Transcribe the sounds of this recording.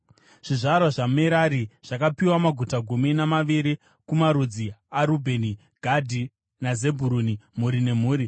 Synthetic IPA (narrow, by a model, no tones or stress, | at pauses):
ʐ̥iʐaɾwaʐameɾaɾiʐ̥akapiwamaɡʱutaɡʱuminamaʋiɾi | kumaɾud͡ziaɾubʱe̞ni | ɡʱadʱi | naze̞bʱuɾunimuɾine̞m̤uːɾi